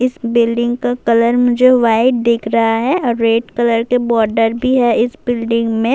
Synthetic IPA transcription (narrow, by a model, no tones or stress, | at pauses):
ɪsbɪlɖɪ̃ŋɡkakɐləɾmʊd͡ʒʱeʋaːɪɖ̚d̪eːkʰɾɐɦaɦɛɔːɾːeːʈkɐləɾkebɔːɾɖəɾbʱiɦɛɪsbɪlɖɪ̃ŋɡmẽ